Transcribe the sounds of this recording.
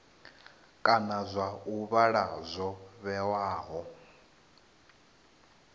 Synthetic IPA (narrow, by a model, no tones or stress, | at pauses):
kʼanazʷauβaɺazʷɔβɛwaːɦɔ